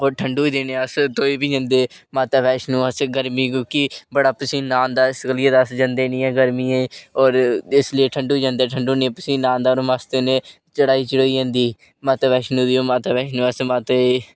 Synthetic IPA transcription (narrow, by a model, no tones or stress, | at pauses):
oːʈʰəɳɖuːd̪eːneːəst̪oːiːbiːd͡ʒãːnd̪eːmaːt̪aːʋɛːʃnũːəsɡəɾmĩːk̬õːkibəɽaːpəsĩːnãːnd̪aːɪskəlieːd̪asd͡ʒãːnd̪eːnĩːɛ̃ːɡəɾmĩːẽːɔːɾɪslɪeʈʰəɳɖuːd͡ʒãːnd̪eːʈʰəɳɖuːneːpəsĩːnãːnd̪aːoːɾmaːst̪eːnẽː | t͡ʃəɽaːiːt͡ʃəɽoːiːd͡ʒãːnd̪iː | maːt̪aːʋɛːʃnũːd̪iːoːmaːt̪aːbɛːʃnũːəsmaːt̪ee